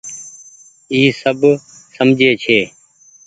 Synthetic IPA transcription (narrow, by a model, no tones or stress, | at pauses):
iːsəbsəmd͡ʒʱeːt͡ʃʰeː